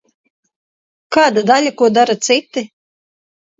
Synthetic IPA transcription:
kaːd̪ad̪alʲakuɔd̪aɾat̪sit̪i

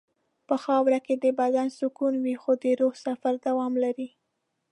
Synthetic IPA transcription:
pəxɑwɾaked̪əbad̪ansʊkunwixod̪əɾohsafaɾd̪awɑmlaɾi

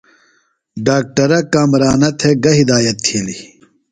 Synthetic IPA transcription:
ɖaːk̚ʈɐɾɐkaːmɾaːnɐt̪ʰeɡɐɦid̪aːjɐt̪ʰːiːli

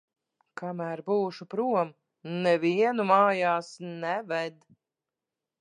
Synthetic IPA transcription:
kamæːɾbuːʃupɾuɔm | nɛviɛnumaːjaːsnɛvɛd̪

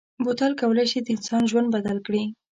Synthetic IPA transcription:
bot̪ɑlkawəlajʃid̪əɪnsɑnʒwand̪bad̪alkɽi

